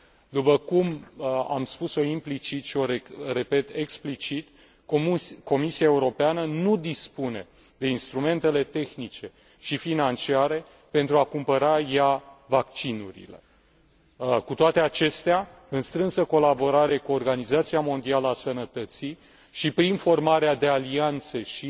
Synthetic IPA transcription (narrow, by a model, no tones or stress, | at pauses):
d̪upəkuma̰mspuso̞implit͡ʃit̪ʃio̞ɾeɾepe̞t̪e̞ksplit͡ʃit̪ | ko̞misiaeuɾo̞peanənud̪ispune̞ | d̪e̞inst̪ɾume̞nt̪e̞le̞t̪e̞xnit͡ʃe̞ | ʃifinant͡ʃiaɾe̞ | pe̞nt̪ɾuakumpəɾajavak̚t͡ʃinṵɾḭle̞ | kut̪oat̪e̞at͡ʃe̞st̪ea | ɨnst̪ɾɨnsəko̞labo̞ɾaɾe̞kuorɡanizat̪siamo̞nd̪ialəasənət̪ət̪si | ʃipɾinfo̞rmaɾead̪e̞aliant̪səʃi